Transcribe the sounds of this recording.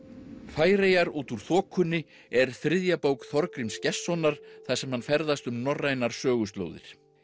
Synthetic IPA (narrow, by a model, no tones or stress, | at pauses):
faːjɾeːjaɾuːt̪uɾ̥θɔːkʰːʏnːɪ | ɛɾ̥θɾɪðjapowkθɔɾkɾɪmscɛsːɔnːaɾ̥θasɛmhanfɛɾðast̪ʏmnɔrːajnaɾ̥sœːɣʏst̪lo̰wðɪ̰ɾ̥